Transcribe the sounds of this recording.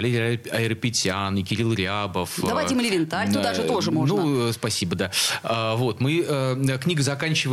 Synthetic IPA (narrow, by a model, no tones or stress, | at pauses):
lʲedʲɪɾɐɪɾəpʲɪtʲanɪkʲɪɾʲilˠɾʲabəfd̪ɐajtʲɪməlʲɪvʲɪnt̪alʲt̪ud̪aʐɨt̪oʐɨmo̞ʐnuspɐsʲibəd̪aəvo̞t̪mɨəəknʲiɡəzɐkanʲt͡ɕɪvə